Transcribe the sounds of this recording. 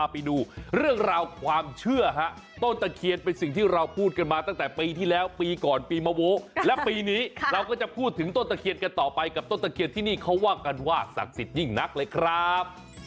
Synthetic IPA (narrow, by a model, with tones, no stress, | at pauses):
pa˧jduː˧ɾɯ˥˩əŋɾaː˧wkʰwaː˧mt͡ɕʰɯ˥˩ɐɦa˦˥ʔ | t̪o˥˩nt̪a˧˩kʰi˧ən̚pe˧nsi˨˩ŋt̪ʰiː˥˩ɾa˧wpʰuː˥˩t̪̚ka˧nmaː˧t̪a˥˩ŋt̪ɛː˨˩piː˧t̪ʰiː˥˩lɛː˦˥wpiː˧kɔː˨˩npiː˧maː˧woː˦˥lɛ˦˥piː˧niː˦˥ɾa˧wkɔː˥˩t͡ɕa˨˩pʰuː˥˩t̪ʰːɯ˩˦ŋt̪o˥˩nt̪a˨˧˩kʰi˧ənka˧nt̪ɔː˨˩pa˧jka˨˩p̚t̪o˥˩nt̪a˧kʰi˧t̪ʰiː˥˩niː˥˩kʰa˦˥waː˥˩ka˧nwaː˥˩sa̰˨˩k̚si˨˩t̪̚ji˥˩ŋna˦˥k̚lɤː˧jkʰɾa˦˥˦p̚